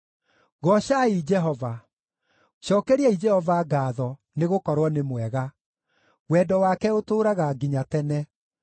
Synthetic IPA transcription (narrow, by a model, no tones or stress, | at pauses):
ɣɔɕaid͡ʒɛɦɔva | ʃɔːkɛɾiɛid͡ʒɛhɔvaɡaːðɔ | neɣokɔɾwɔnemwɛɣa | wɛdɔwakɛotoːɾaɣaɡiɲatɛnɛ